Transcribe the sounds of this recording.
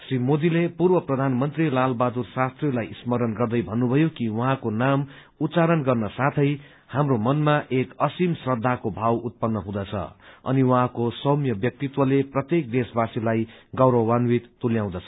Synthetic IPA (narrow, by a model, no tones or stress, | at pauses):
srimod̪ilepurbʌprʌd̪ʱanmʌnt̪rilalbad̪ursast̪relajismʌɾʌnɡʌrd̪ʌjbʱʌnːubʱʌjokiwʌɦãkonam | ut̪t͡saɾʌnɡʌrnʌsat̪ʰʌj | hamromʌnmaʔekʌsimsrʌd̪ʱːakobʱawut̪̚pʌnːʌɦũd̪ʌt͡sʰʌ̰ʌ̰niwʌɦãkosʌmjʌbjʌk̚t̪it̪wʌleprʌt̪jek̚d̪esbasilajɡʌwɾʌwːanwit̪ːuljãw̃d̪ʌt͡sʰʌ̥